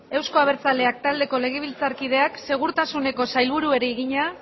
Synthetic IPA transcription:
e̞wsko̞aβ̞e̞ɾt͡sale̞ak̚t̪ald̪e̞ko̞le̞ɣ̞e̞β̞ilt͡saɾkið̞e̞akse̞ɣ̞uɾt̪asune̞ko̞sajlβuɾue̞ɾeːɣiɲa

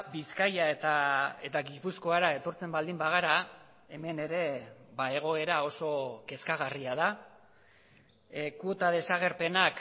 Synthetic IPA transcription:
biskajaet̪ae̞t̪aɣipusko̞aɾae̞t̪o̞ɾt͡se̞mbald̪imbaɣ̞aɾa | e̞me̞ne̞ɾe̞bae̞ɣ̞o̞e̞ɾao̞so̞ke̞skaɣ̞ariaða | kuot̪að̞e̞saɣ̞e̞ɾpe̞nak

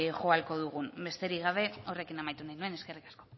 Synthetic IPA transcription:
ʝo̞alko̞ðuɣ̞unbe̞st̪e̞ɾiɣ̞aβ̞e̞o̞re̞kinamajt̪unajnue̞neske̞rikḁsko̞

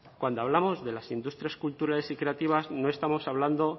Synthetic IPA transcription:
kwand̪oaβ̞lamo̞zðe̞lasind̪ust̪ɾjaskult̪uɾale̞sikɾe̞at̪iβ̞azno̞e̞st̪amo̞saβland̪o̞

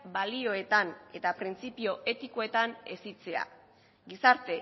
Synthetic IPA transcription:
balio̞e̞t̪ane̞t̪apɾint͡sipio̞ʔe̞t̪iko̞e̞t̪ane̞̰sit͡se̞a̰ | ɡisaɾt̪e̞

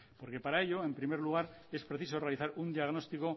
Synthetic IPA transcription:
po̞ɾke̞paɾaeʎo̞e̞mpɾimeɾluɣ̞aɾ | e̞spɾeθiso̞realiθaɾund̪iaɣ̞no̞st̪iko̞

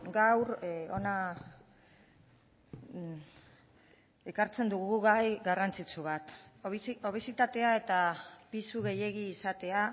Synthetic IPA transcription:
ɡawɾo̞na | ekaɾt͡se̞nd̪uɣɣuɣajɣarant͡sit͡suβ̞at̪ | o̞β̞esit̪at̪e̞ae̞t̪apisuɣe̞je̞ɣiːsat̪e̞a

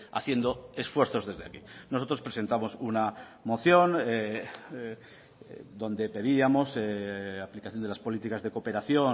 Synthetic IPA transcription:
a̰θje̞nd̪o̞e̞sfwe̞ɾθo̞zðe̞zðea̰kinoso̞t̪ɾo̞spɾese̞nt̪amo̞suna | mo̞θjo̞ne | d̪o̞nd̪e̞pe̞ðiamo̞seaplikaθjond̪elaspo̞lit̪ikazðe̞ko̞pe̞ɾaθjo̞

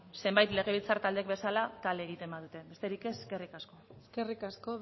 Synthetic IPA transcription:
se̞mbajt̪le̞ɣ̞e̞β̞ilt͡saɾt̪ald̪ek̚be̞salat̪ald̪e̞ːɣ̞it̪e̞mbaðut̪e̞be̞st̪e̞ɾikese̥ske̞rikasko̞skerikasko

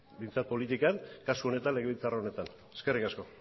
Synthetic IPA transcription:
bijnt͡sat̪̚polit̪ikankasuo̞ne̞t̪anle̞ɣ̞eβilt͡saraone̞t̪an | eskerikasko̞

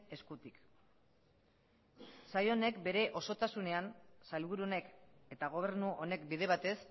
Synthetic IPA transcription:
e̞skut̪ik | sajo̞ne̞kbe̞ɾe̞ʔo̞so̞t̪asune̞ansajlβuɾuo̞ne̞ke̞t̪aɣ̞o̞β̞e̞ɾnuʔo̞ne̞kbiðe̞βat̪e̞s

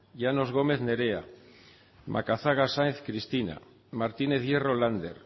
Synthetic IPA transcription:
jano̞zɣ̞o̞me̞θne̞ɾea | mʔa̰kaθaɣasanθkɾist̪ina̰ | maɾt̪ine̞θje̞ro̞land̪ḛɾ

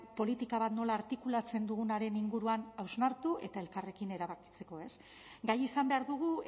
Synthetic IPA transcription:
po̞lit̪ikaβat̪no̞laːɾt̪ikulat͡se̞nd̪uɣ̞unaɾe̞niŋɡuɾuanawznaɾt̪uʔe̞t̪ae̞lkare̞kine̞ɾaβaki̥t͡se̞ko̞e̞s | ɡajisambe̞aɾðuɣ̞u

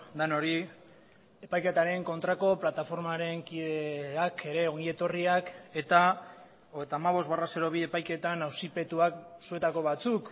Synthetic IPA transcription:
d̪ano̞ɾi | e̞pajke̞t̪aɾe̞ŋko̞nt̪ɾako̞plat̪afo̞ɾmaɾe̞ŋkiðe̞akʰe̞ɾe̞oŋɡie̞t̪o̞riake̞t̪a | oet̪aːmaβ̞o̞zbarase̞ɾo̞βie̞pajke̞t̪anawsipe̞t̪uaksue̞t̪ako̞βat͡suk

